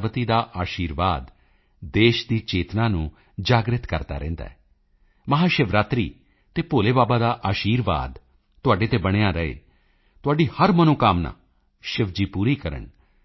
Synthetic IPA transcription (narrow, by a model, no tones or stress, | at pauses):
ʋət̪iːd̪aːʔaːʃiːɾʋaːd̪ | d̪eːʃd̪iːt͡ʃeːt̪nãːnũː | d͡ʒaːɡɾɪt̪kə̰ɾt̪a̰ːɾɛ̰̃ːnd̪a̰ːɛː | məɦaːʃɪʋɾaːt̪ɾḭː | t̪eːpoːleːbaːbaːd̪aːʔaːʃiːɾʋa̰ːd̪ | t̪ːʊaːɖeːt̪eːbəɽ̃eːaːɾəḛː | t̪ʊaːɖiːhəɾmənõːkaːmna̰ː | ʃɪʋd͡ʒiːpuːɾiːkəɾə̰ɳ